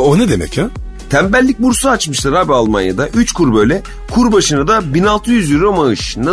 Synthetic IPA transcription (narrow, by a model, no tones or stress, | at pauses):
oned̪emɛ̰ca | t̪ʰæmbælʲːic̚ʲbuɾsaːt͡ʃmɯʃt̪ˠaɾabalˠmanja̰d̪aʔyt͡ʃkʰuɾbø̞jlʲɛ | kʰuɾbaʃɯnad̪abinalˠt̪ʰɯjyzjiɾomaɯʃna